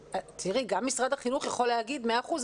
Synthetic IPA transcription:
t̪ʰiʁiɡamːisʁad̪aχinuχjaχo̞leaɡid̪meaːχuz

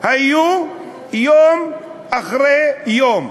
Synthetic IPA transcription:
haju | jom | aχɾejom

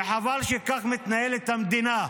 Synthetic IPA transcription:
ħavaːlʃekaxmɪt̪najelet̪amd̪ina

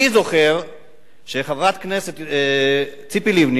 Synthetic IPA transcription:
izo̞χeʁ | ʃeχavʁat̪kneset̪ | t͡sipilivni

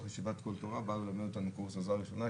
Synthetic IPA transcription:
χaʃivat̪kolt̪oʁabalelamedot̪anukuʁsazaʁiʃona

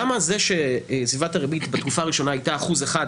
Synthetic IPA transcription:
amazeʃe̞svivataʁebitbet̪kufaːʁiʃo̞naajtaːχuzeχad

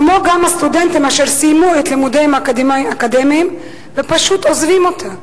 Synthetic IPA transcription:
kmoɡamhast̪udent̪imaʃeʁsijmuet̪limud̪emakdmaakad̪emiːm | vepaʃut̪ozvimo̞t̪ʰam

